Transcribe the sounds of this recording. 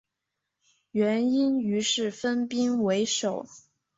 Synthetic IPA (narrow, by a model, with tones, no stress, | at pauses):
ɥɛ˧˥ni˥ny˧˥ʂɻ̩˥˩fə˥npi˥ŋwe˧˥ɪʂo˨˩˦ʊ